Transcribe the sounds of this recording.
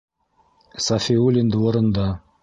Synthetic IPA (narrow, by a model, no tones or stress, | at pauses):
sɑfʲiulʲind̪ɘŏɾɤ̆nd̪ɑ